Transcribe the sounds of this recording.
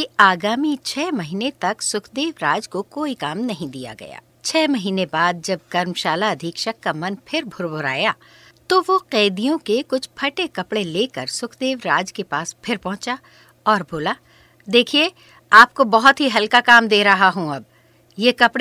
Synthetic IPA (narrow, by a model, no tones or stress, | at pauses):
iaːɡaːmit͡ʃʰɛːmɐɦiːnet̪ɐksʊkʰd̪eːʋɾaːd͡ʒkokoːikaːmnɐɦĩd̪ija̰ɡɐ̰ja̰ː | t͡ʃʰɛːmɐɦiːnebaːd̪̚d͡ʒɐb̚kɐɾmʃaːlaɐd̪ʱɪkʃɐkːamɐnpʰɪɾbʱʊɾbʱʊɾa̰ːjaː | t̪oʋoqɛːd̪ijõkekʊt͡ʃʰpʰɐʈekɐpɽeleːkɐɾsʊkʰd̪eːʋɾaːd͡ʒkepaːspʰɪɾpɐ̃ɦʊ̃t͡ʃa | ɔːɾbʱoːlaː | d̪eːkʰie | aːp̚kobɐɦʊt̪ɦiɦɐlkakaːmd̪eːɾɐɦaɦũɐb̚ | jekɐpɽe